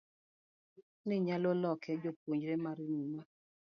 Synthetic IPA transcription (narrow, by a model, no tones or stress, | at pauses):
niɲalolɔkʰɛd͡ʒopoɲd͡ʒɾemaɾininɔ